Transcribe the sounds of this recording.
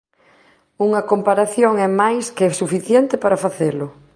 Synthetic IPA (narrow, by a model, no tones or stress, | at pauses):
uŋɐkompaɾaθjoŋɛmajskesufiθjɛnt̪ɪpaɾafaθelʊ